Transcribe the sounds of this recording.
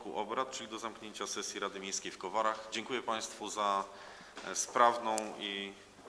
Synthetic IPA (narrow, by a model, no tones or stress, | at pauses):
kuʔɔbɾat̪̚t͡ʂɘlʲid̪ɔzamkɲeɲt͡ɕasɛsʲjiɾad̪ɘmʲejskʲejfkɔvaɾaxd͡ʑɛŋkujɛpaj̃st̪fuza | spɾavnɔ̃w̃i